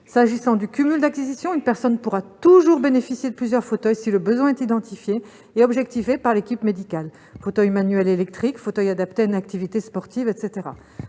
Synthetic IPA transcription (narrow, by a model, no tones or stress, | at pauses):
saʒisɑ̃d̪ykʲymyld̪akʲizisjɔ̃ynpɛʁsɔnpuʁat̪uʒuʁbenefisjed̪əplyzjœʁfot̪œjsiləbəzwɛ̃ɛt̪id̪ɑ̃t̪ifjeː | ɔbʒɛk̚t̪ifepaʁlekʲipmed̪ikʲal | fot̪œjmanɥɛlelɛk̚t̪χikfot̪œjad̪apt̪eaynak̚t̪ivit̪espɔʁt̪ivɛt̪set̪eʁa̰